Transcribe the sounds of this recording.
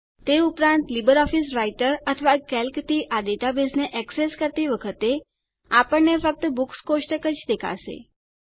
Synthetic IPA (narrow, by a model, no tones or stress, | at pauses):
t̪eupɾãnt̪libəɾɔfisɾaiʈəɾət̪ʰəʋakɛlkt̪iʔad̪eʈabisneʔɛkseskəɾt̪iʋəkʰət̪e | apəɳnefək̚t̪əbukskoʃʈəkət͡ʃd̪ekʰa̰ʃḛ